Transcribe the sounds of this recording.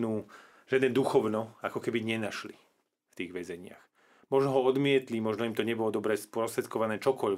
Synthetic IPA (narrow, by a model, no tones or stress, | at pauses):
nuː | ʒjad̪nɛːd̪uxɔʋnɔakɔkɛbiɲɛnaʃli | ft̪iːɣʋɛzɛɲɪa̰x | mɔʒnɔɦɔɔd̪mɪɛt̪limɔʒnɔimt̪ɔɲɛbɔlɔd̪ɔbɾɛspʊɔst̪ɾɛt̪̚kɔʋanɛːt͡ʃɔkɔʎ